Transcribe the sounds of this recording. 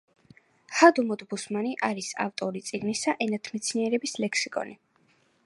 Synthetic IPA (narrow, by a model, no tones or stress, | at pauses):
had̪umɔd̪busmaniʔaɾisa̰ft̪ʼɔɾit̪sʼiɡnisaʔɛnat̪ʰmɛt̪sʰniɛɾɛbislɛkʰsikʼɔ̰ni